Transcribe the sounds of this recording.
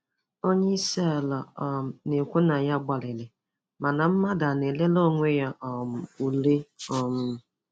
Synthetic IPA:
o˦ɲe˦se˦a˨la˨ne˨kʷu˦na˨ja˦ɡ͡ba˨lɪ˨le˨ | ma˨na˨m̩˦ma˦da˨ne˨le˦lo˦˨ŋʷe˦ja˦ʔɔ˨m̩˨u˨le˦ɔ˨mʊ˦˨

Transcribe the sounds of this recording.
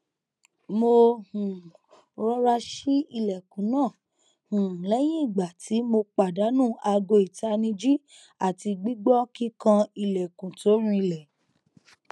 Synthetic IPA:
mo˧hũ˨ | ɾɔ˧ɾa˧ʃi˦i˧˨lɛ˨kũ˨˦nãː˦˨ | hũ˨lɛ˨˦j̃ĩ˦i˦˨ɡ͡ba˨tʰi˨˦mo˧k͡pa˨da˨˦nũː˦˨a˧ɡo˧i˨ta˧nĩ˧d͡ʒi˦ | a˦˨ti˧ɡ͡bi˦ɡ͡bɔ˦ki˦kã˧i˧lɛ˨kũ˨to˨˦ɾ̃ũ˦i˧lɛ˨

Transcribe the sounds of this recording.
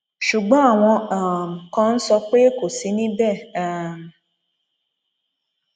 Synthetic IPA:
ʃu˨ɡ͡ba˦a˨ŋʷɔ̃˧a˨kɔ̃˦n̩˦sɔ˧k͡peː˦ko˨si˦nĩ˦bɛ˦˨a˨m̩˨

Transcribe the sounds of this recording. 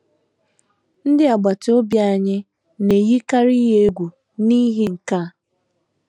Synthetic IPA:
n̩˦dɪ˦a˨ɡ͡ba˨to˦bja˦˨ɲɪ˦ | ne˨ji˦ka˦ɾi˦ɦe˦e˦ɡʷu˨ | ni˦ɦi˦ŋ̩˨ka˦˨

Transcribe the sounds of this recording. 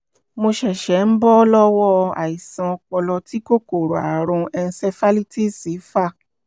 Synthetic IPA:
mo˧ʃɛ˨ʃɛ˨˦n̩˦bɔ˦lɔ˦wɔ˦˨˧a̰˨i˨sã˧ɔ˧kɔ˧lɔ˧ti˦ko˦ko˦˨ɾo˨a̰˨ɾũ˧ɛ˧n̩˧sɛ˧fa˦li˦ti˦˨si˨˦fa˦˨

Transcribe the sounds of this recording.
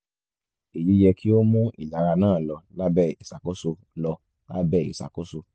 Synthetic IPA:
e˨ji˨˦jɛ˧kʰi˦o˦mũ˦ḭ˦˨la˨˦ɾa˧nãː˦˨lɔ˧la˦bɛ˦˨i˨sa˨ko˦so˧ | lɔ˧ | la˦bɛ˦˨ḭ˨sa̰˨ko˦so˧

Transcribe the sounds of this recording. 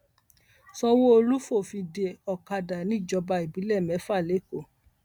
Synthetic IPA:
sɔ˧wo˦o˧lu˦fo˦˨fi˧de˧˨ɔ˨ka˧da˨nĩ˦i˦˨d͡ʒɔ˧ba˧i˨bi˨˦lɛ˦˨mɛ̃˨˦fa˦˨le˨˦˨ko˦˨

